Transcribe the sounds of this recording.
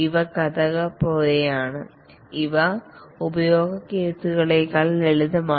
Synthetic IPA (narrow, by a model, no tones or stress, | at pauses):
iʋɐkɐðɐɣɐpo̞ːlejaːɳɨ | iʋɐubɐjo̞ːɡɐkːeːsuɣɐɭekɐleɭiðɐmaː